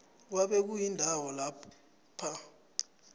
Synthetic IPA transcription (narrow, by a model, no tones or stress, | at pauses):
waɓɛk̬ujindʱawɔlap | pʰa